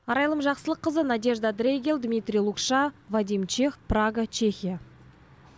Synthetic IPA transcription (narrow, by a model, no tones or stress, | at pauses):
ɑɾɑjlˠəmʒɑqsəlˠəqʰːəzənɑd̪ʲe̞ʒd̪ad̪rʲeɡʲelˠd̪mʲijt̪rʲijlˠukʃɑvad̪ijmt͡ʃʰe̞xpraɡat͡ʃʰe̞xʲija